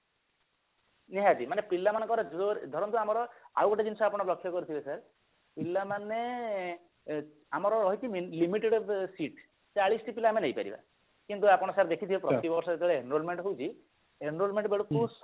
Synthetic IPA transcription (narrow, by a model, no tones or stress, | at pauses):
niɦat̪imanepilːamanɔ̃kɔɾɔd͡ʒoɾd̪ʱɔɾɔnt̪uamɔɾɔa̰wɔʈed͡ʒinsɔapɔɽ̃ɔblɔkʰːjɔkɔɾit̪ʰibesaɾ | pilːamane | amɔɾɔɾɔɦjk̪imilimiʈeɽbsiʈ | t͡ʃaɭisʈipilaːmenejpa̰ɾḭba̰ | kint̪uapɔɽ̃ɔsaɾd̪ekʰit̪ʰibepɾɔt̪ibɔɾsɔet̪eɭeenɾolmeɳʈɦowt͡ʃʰi | enɾolmeɳʈbeɭukus